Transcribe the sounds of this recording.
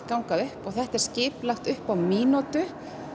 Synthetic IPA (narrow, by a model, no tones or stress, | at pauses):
kawŋkaðʏhpɔɣθɛht̪ɛɾ̥scɪːplaxt̪ʏhpawmiːnɔt̪ʏ